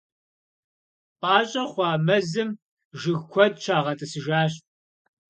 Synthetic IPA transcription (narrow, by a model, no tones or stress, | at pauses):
pʼɑːɕʼɐχʷɑːmɐzɨm | ʒɨɣkʷʰɔd̚t͡ʃʰaːʁɐtʼɨsɨʒaːɕ